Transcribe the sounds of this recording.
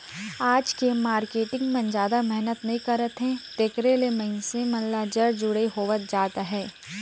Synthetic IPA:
aːd͡ʒkemaːɾkeːʈɪ̃ŋɡmɐ̃nd͡ʒaːd̪amɛɦnət̪nɐɦĩkɐɾət̪ɦɛ̃t̪ekɾelemɐɪnsemɐ̃nlad͡ʒəɾd͡ʒʊɽeɦoːʋət̪̚d͡ʒaːt̪aɦɛː

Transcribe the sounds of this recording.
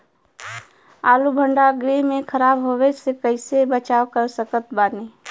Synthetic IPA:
aːlubʱə̃ɳɖaɡɾemẽkʰəɾaːbɦowesekəɪsebət͡ʃaːwkəɾsəkət̪̚baːni

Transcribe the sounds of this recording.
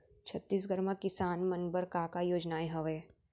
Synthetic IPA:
t͡ʃʰɐt̪ːiːs̬ɡɐɾmakɪsaːnmɐnbəɾkaːkajoːd͡ʒnaːeɦɐʋeː

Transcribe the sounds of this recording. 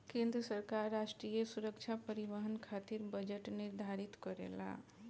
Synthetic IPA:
kẽnd̪ɾəsəɾkaɾːasʈɾijəsuɾəkt͡ʃʰapəɾiʋəɦənkʰat̪iɾbəd͡ʒəʈniɾd̪ʱaɾit̪kɔɾḛla̰

